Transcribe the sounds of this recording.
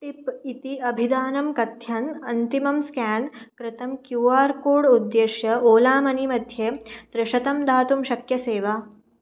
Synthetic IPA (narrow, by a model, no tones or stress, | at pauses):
t̪ipit̪iɐbʱid̪aːnɐmkɐt̪jɐnɐnt̪imɐmskæːnkɾɪt̪ɐmkjuːaːɾkoːɽud̪ːeːʃjɐoːlaːmɐnimɐd̪ʱjeːd̪̥ɾɪʃɐt̪ɐmd̪aːt̪umʃɐkjɐseːʋa